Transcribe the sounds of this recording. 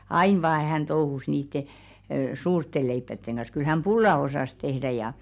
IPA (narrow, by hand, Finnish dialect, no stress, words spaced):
ɑin ʋɑː hæn touhus niːtːe suːrtːe leipːætːeŋ ɡ̊ɑ̃s kyl hæm b̥ulːɑ osɑˑs tehdæ jɑ